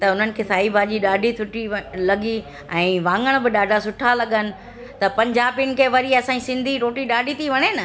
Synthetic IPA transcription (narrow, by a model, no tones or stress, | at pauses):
t̪ɐʊn̤ənɪ̆kʰeːsʰaːibʱaːʄiɗaːɖʱit̪ʰʊʈilɐɠi | ɛ̃ːʋãːŋɡəɽ̃bɪɗaːɖʱasʊʈʰalɐɠənɪ̆ | t̪ɐpɐ̃ɲd͡ʑaːbinɪ̆kʰeːʋɐɾiɐsãːĩsɪ̃nd̪ʱiɾoːʈiɗaːɖʱit̪ʰiʋɐɽ̃enɐ